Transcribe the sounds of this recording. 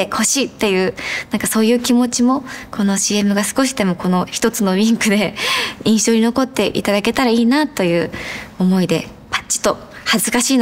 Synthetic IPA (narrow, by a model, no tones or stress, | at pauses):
ekʰo̞ɕit̪ːe̞jɯ̟ːnãŋkaso̞ːjɯ̟ːkʲimo̞t͡ɕimo̞ko̞no̞ɕiːe̞mɯ̟ɡasɨ̥ko̞ɕi̥d̪e̞mo̞ko̞no̞çi̥t̪o̞t͡sɨno̞ɾʲĩŋkɯ̟d̪e̞ĩɰ̃ɕo̞ːɲ̟ino̞ko̞t̪ːe̞ʔḭt̪ad̪ake̞t̪aɾaiːnat̪o̞jɯ̟ːomo̞id̪e̞ | pḁt͡ɕi̥t̪o̞ | hazɨkaɕiːn